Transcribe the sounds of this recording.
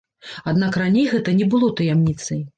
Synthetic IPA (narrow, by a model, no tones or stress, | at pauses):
ad̪nakranʲejɣɛt̪ɐnʲɛbɨlˠɔt̪ɐjamnʲit̪sɐj